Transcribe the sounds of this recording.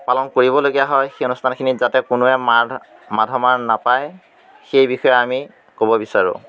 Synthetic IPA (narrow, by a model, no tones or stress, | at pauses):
palɔnkoɹiβɔloɡijaɦɔjxeonustʰankʰinizatɛkʊnʊɛm | madʱɔmaɹnapaj | xejbixɔjɛami | kobɔbisaɹʊ̰